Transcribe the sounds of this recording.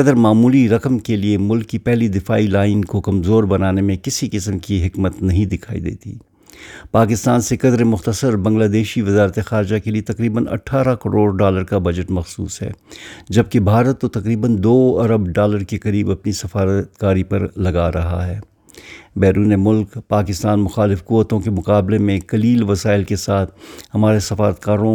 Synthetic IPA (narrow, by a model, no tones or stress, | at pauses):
kɐd̪əɾmaːmuːliɾɐkəmkeliemʊlkːipɛɦlid̪ɪfa̰ːilaːɪnkokɐmzoːɾbɐnaːnemẽkɪsikɪsəmkiɦɪkmət̪nɐɦĩd̪ɪkʰaːḭd̪ḛːt̪ḭː | paːkɪst̪aːnsekɐd̪ɾemʊxt̪əsəɾbɐ̃ŋɡlaːd̪eːʃiʋɪzaːɾt̪exaːɾd͡ʒakeliet̪ɐqɾiːbənɐ̰ʈʰːaːɾakɐɾoːɾɖaːləɾkabɐd͡ʒəʈmɐxsṵːsɦɛ̰ːd͡ʒɐb̚kebʱaːɾət̪ːot̪ɐqɾiːbənd̪oːɐɾəbɖaːləɾkekɐɾiːbɐpnisɐfaːɾət̪kaːɾipɐɾlɐɡaɾɐɦa̰ɦɛː | bɛːɾuːnemʊlkpaːkɪst̪aːnmʊxaːlɪfkuːʋət̪õkemʊqaːblemẽkɐliːlʋɐsaːɪlkesaːt̪̚ʰhɐmaːɾesɐfaːɾət̪̚kaːɾõ